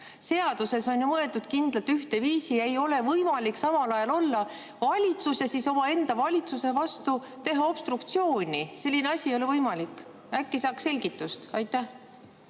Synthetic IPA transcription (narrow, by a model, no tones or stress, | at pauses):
se̞ɑd̪̥use̞so̞njumɤe̞lt̪ud̪̥kind̪lɑt̪ːyht̪e̞viːsiɑe̞jo̞le̞vɤjmɑlʲiksɑmɑlɑjɑlo̞lːɑ | vɑlʲit̪susesiso̞mɑe̞nd̪̥ɑvɑlʲit̪suse̞vɑst̪u | t̪e̞ɦɑo̞b̥st̪ɾukt̪sio̞ːnʲise̞lʲːineɑsʲijo̞le̞vɤjmɑlikːˑ | ækːesɑːkse̞lʲɡ̥it̪ːˑust̪ɑjt̪ːˑæh